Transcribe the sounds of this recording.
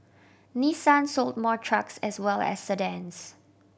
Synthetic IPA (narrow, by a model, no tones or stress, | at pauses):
nisãnsold̚mɔtʰɹaksɛswɛlɛ̰sdədɛ̃ns